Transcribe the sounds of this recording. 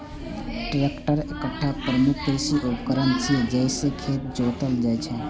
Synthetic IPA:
ʈɾekʈəɾekəʈʰːapɾəmukʰːɾisiʔupəkəɾənt͡ʃʰied͡ʒɛɪsekʰet̪̚d͡ʒot̪əld͡ʒat͡ʃʰɛ

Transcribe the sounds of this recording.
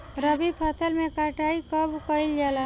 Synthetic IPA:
ɾəbipʰəsʰəlmẽkaʈaːikəbkəɪld͡ʒaːla

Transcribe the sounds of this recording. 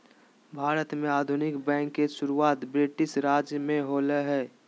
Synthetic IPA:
bʱaːɾət̪mẽaːd̪ʱʊnɪkbɛ̃ːŋkːeʃʊɾuaːt̪bɾɪʈɪʃɾaːd͡ʒjəmẽɦoːləɦɛː

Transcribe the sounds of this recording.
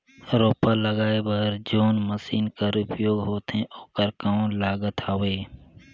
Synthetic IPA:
ɾoːpaləɡaːebəɦɾd͡ʒoːnməsiːnkəɾʊpjoːɡɦoːt̪ɦẽʔoːkəɾkãlaːɡət̪ʰaːʋeː

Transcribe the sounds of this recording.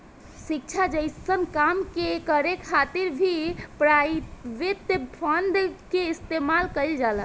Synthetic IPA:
sik̚t͡ʃʰad͡ʒəɪsənkamkekəɾekʰat̪iɾbʱipɾaiʋet̪pʰənd̪keist̪emalkəɪld͡ʒalə

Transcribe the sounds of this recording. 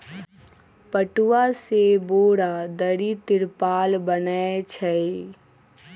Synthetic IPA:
pəʈuwaseboːɽad̪əɽit̪ɪɾpaːlbənəet͡ʃʰə

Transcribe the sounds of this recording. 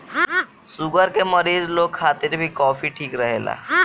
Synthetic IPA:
suɡəɾkeməɾiːzloːɡ̚kʰaːt̪ɪɾbʱikɔːfʰiʈʰiːkɾəɦeːla̰ː

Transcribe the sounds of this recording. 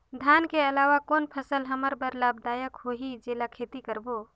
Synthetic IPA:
d̪ʱankeəlaʋakoːnpʰəsəlɦəməɾbəɾlabd̪aːjəkɦoɦid͡ʒeːlakʰet̪ikəɾbo

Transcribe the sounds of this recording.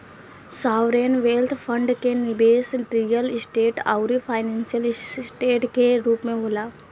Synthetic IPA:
saːʋɾeːnʋeːlt̪ʰpʰə̃ɳɖkenɪbeːsʈɾijəlɪsʈeːʈa̰ʊɾipʰaːɪnɛ̃ːnsijəlsʈeːʈkeɾuːpmẽɦoːlaː

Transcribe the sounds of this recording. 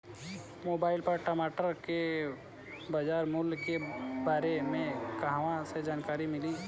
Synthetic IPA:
moːbaːɪlpəɾʈəmaːʈəɾke | bəd͡ʒaːɾmulkebaːɾemẽkəɦaʋãsed͡ʒaːnkaːɾimɪli

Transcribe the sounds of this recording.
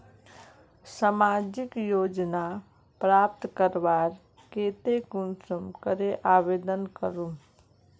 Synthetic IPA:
samaːd͡ʒɪkjoːd͡ʒna | pɾaːp̚t̪kəɾʋaːɾ | keːt̪ekunsəmkəɾeʔaːʋeːd̪ənkəɾũ

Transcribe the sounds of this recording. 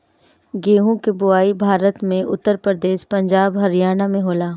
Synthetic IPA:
ɡeːɦũkebʊaːibʱaːɾət̪mẽʔʊt̪ːəɾpɾəd̪eːʃpɐ̃ɲd͡ʒaːbɦɐɾijaːnamẽɦoːlaː

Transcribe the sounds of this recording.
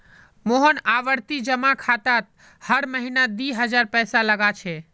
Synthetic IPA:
moɦənaʋəɾt̪id͡ʒəmakʰat̪at̪̚ | həɽməɦinad̪iɦəd͡ʒaɾpɛsaləɡat͡ʃʰɛ

